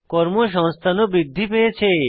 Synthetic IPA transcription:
kɔɾmoʃ̬ɔŋst̪ʰanobɾid̪ʱːipejet͡ɕʰe

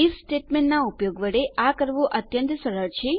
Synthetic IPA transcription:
issʈeʈmẽɳnaupjoɡʋəɽeakəɾʋũʔət̪jənt̪səɭəɭt͡ʃʰe

